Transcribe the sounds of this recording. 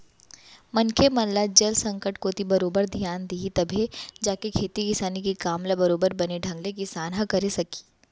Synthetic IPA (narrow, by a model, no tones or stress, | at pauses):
mɐnkʰemɐnlad͡ʒɐlsɐ̃ŋkəʈkot̪ibɐɾoːbəɾd̪ʱijaːnd̪iit̪ɐbʱed͡ʒaːkekʰeːt̪ikɪsaːnikikaːmlabɐɾoːbəɾbɐneɖʱɐ̃ŋɡlekisaːnɦakɐɾesɐki̥ː